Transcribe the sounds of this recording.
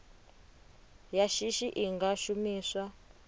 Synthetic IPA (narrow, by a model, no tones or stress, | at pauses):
jaʃiʃiʔiŋɡaʃumiːswa